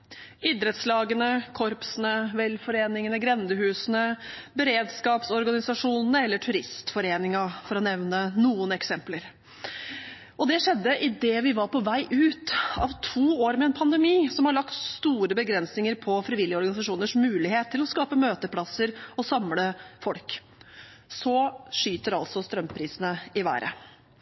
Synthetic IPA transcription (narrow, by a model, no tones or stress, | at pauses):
id̪ɾət̪slɑːɡənəkʰɔɾpsənəʋɛlfɔɾeːnɪŋənəɡɾɛnd̪əɦʉːsənəbəɾeːd̪skɑːpsɔɾɡɑnɪsɑʂuːnnəɛlːəʈʰʉɾɪst̪fɔɾeːnɪŋɑfɔɾɔnɛʋnənuːənɛksɛmpləɾ | ɔd̪ɛʂɛd̪ːəʔɪd̪ɛʋɪʋɑɾpʰɔʋæɪʔʉːt̪ɑ̰ʋt̪ʰuːoːɾmɛɛnpʰɑnd̪ɛmiːsɔmhɑɭɑkt̪st̪uːɾəbəɡɾɛnsnɪŋəɾpʰɔfɾɪʋɪljəɔɾɡɑnɪsɑʂuːnəʂmʉːlɪheːt̪ʰːɪlɔskɑːpəmøːt̪əpʰlɑsəɾɔsɑmləfɔlk | sɔʂyːt̪əɾɑlt̪sɔst̪ɾœmpʰɾiːsənəɪʋæ̰ːɾʔə̰